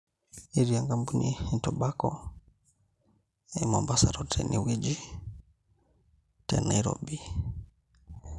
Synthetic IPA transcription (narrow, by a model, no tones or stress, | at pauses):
iɾiaŋɡambuniintɔbakɔ | ɛmɔmbasaɾɔtʰɛ̰nʔiwid͡ʒi | tɛnaiɾɔ̰bi